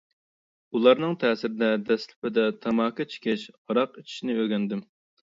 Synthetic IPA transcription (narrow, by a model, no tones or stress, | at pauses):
ulˠɑɾnɨŋt̪ʰɛːsɪɾɪd̪ɛd̪ɛslɪpɪd̪ɛt̪ʰɑmɑːkʰɑt͡ʃʰi̥kʲʰɪʃʁɑɾɑqit͡ʃʰi̥ʃnɪøɡʲɛnd̪ɪm